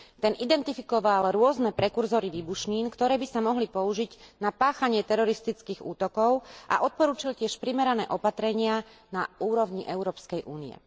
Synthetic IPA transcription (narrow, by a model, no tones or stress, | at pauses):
t̪ɛnʔid̪ɛnt̪ifikɔʋalɾʊɔznɛpɾɛkuɾzɔːɾiʋiːbuʃɲiːnkt̪ɔɾɛːbisamɔɦlipɔuʒiɟnapaːxaɲɪɛt̪ɛɾɔɾist̪it͡skiːɣṵːt̪ɔkɔʊʔa̰ʔɔt̪̚pɔɾuːt͡ʃilcɪɛʃpɾimɛɾanɛːʔɔpat̪ɾɛɲɪanauːɾɔʋɲiʔɛʊɾɔːpskɛjʔuːnḭɛ̰